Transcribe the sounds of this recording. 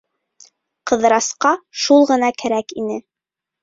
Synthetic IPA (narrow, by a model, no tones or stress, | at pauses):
qɤ̆ðɾɑsqɑʃulˠʁɤ̆nɑkæɾækinɘ